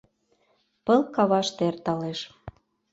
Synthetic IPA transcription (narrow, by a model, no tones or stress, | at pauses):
pə̆lˠkɑβɑʃt̪eert̪ɑleʃ